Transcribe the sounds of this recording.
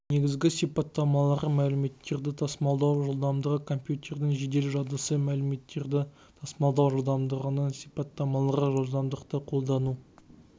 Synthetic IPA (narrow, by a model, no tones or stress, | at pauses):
ne̞ɡʲɪzɡʲɪsijpɑt̪ːɑmɑlˠɑʁəmælɪme̞t̪ːe̞ɾd̪ɪt̪ʰɑsmɑlˠd̪ɑwʒolˠd̪ɑmd̪əʁəkʰo̞mpjut̪ʲe̞rd̪ɪŋʒe̞d̪e̞lʒɑd̪əsəmælɪme̞t̪ːeɾd̪ɪ | t̪ʰɑsmɑlˠd̪ɑwʒolˠd̪ɑmd̪əʁənəsijpɑt̪ːɑmɑlˠəʁəʒolˠd̪ɑmd̪əqt̪əqʰo̞lˠd̪ɑnu